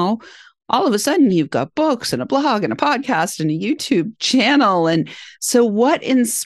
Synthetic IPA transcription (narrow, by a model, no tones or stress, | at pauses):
ʊ | ʔɔlˠʌvəsʌdⁿn̩jʉvɡɑ̰t̚b̥ʊksɨ̃nəblɑɡɨ̃nəpʰɑd̚kʰæstɨ̃nɨjʉtʰʉb̚t͡ʃʰænl̩ˠɨ̃nsoʊwʌɾʔɪ̃ns